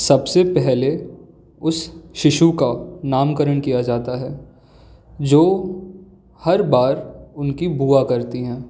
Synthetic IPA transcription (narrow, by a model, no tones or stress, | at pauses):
sɐbsepɛɦle | ʊsʃɪʃukanaːmkəɾəɽ̃kijad͡ʒaːt̪aɦɛː | d͡ʒoː | hɐɾbaːɾʊnkibuːakɐɾt̪iɦɛ̃ː